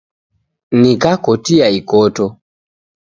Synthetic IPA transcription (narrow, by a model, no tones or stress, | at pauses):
nikakɔtiaikɔtɔ